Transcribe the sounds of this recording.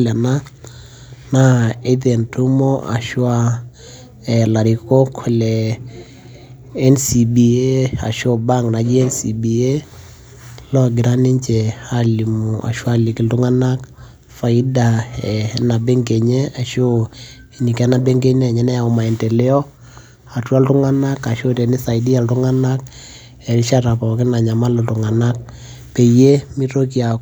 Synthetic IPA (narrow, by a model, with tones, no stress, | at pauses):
lɛ˨na˦ | na˦e˦ðe˨ntu˦mɔ˦ʔa̰˨ʃwa˦ | ɛ˨la˨ɾi˨kɔ˦kʰɔ˨lɛ˨ | ɛ˦nsi˨bi˨e˦a̰˨ʃo˦˨ba˦˨ŋna˨d͡ʒi˦ɛ˦nsi˨bi˨e˦ | lɔ˦˨ɡɪ˨ɾa˦ni˦ɲt͡ʃɛ˨a˦li˨mu˨ʔa̰˨ʃwa˦li˨ki˨lu˦ŋa˦na˦k | fa˨i˦da˨ɛ˨na˨bɛ˦ŋɡe˨ɲɛ˦a˨ʃo˦˨ | ɲi˨kɛ˦na˨be˦ŋɡe˦ɲɛ˦˨ɲɛ˦nɛ˦a˨u˨ma˨i˨ntɛ˨lɛ˦ɔ˦ | a˨twa˦ltu˦ŋa˦na˦ka˨ʃo˦te˨ni˦sa˨i˦di˦a˨ltu˦ŋa˦na˦k̚ | ɛ˨ɾi˦ʃa˦ta˨pɔ˨kɪ˦na˨ɲa˨ma˦lɔ˨tu˨ŋa˨na˦k̚ | pe˨je˦mi˦to˦ki˦a˨